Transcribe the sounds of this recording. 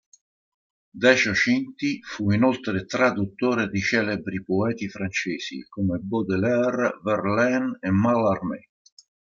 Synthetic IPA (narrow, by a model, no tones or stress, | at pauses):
d̪ɛt͡ʃot͡ʃint̪ifuinɔlt̪ɾet̪ɾad̪ut̪ːoːɾed̪it͡ʃɛːlebɾipɔɛːt̪ifɾant͡ʃeːsḭkomebɔd̪elɛrvɛrlɛnemːalarmɛ̰